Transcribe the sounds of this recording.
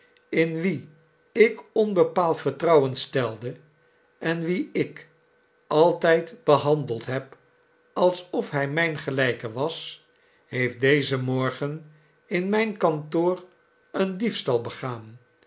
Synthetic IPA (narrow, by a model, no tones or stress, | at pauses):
ɪnʋi | ɪkɔnbəpaːlˠtfəɹtrɑwənstɛlˠdə | ɛnʋiɪk | ɑlˠtɛjtb̥əɦɑndəlˠtɦɛp | ɑlˠsɔfɦɛjmɛjnχəlɛjkəʋɑs | hejfdejzəmɔɹχən | ɪnmɛjnkɑntoːr | əndifstɑlˠbəχaːn